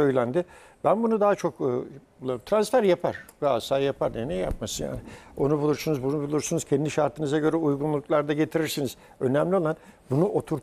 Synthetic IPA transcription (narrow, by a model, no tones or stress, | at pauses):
ø̞jlʲænd̪ɪ | bænbunud̪aːat͡ʃʰo̞kːbulˠaɾɯmt̪ʰɾansfæɾjapʰa̰ɾ̥ɡasaːjapʰaɾnɛnɛjja̰p̚masɯnja̰ːnɪo̞nubulˠuɾsunuzbunubulˠuɾsunuz̥cʰɛnd̪iʃaɾt̪ʰɯnɯzaɟø̞ɾɛujɡunlˠuklˠaɾd̪aɟet̪ʰiɾiɾsiniz̥ | ø̞nɛmlʲio̞lˠan | bunuʔo̞t̪ʰuɾ